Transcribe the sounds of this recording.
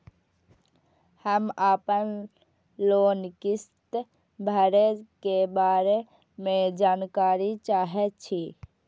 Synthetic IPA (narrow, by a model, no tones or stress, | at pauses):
həmaːpən | loːnkist̪ | bʱəɾekebaːɾe | med͡ʒaːnkaːɾit͡ʃaːɦɛt̪̚t͡ʃʰi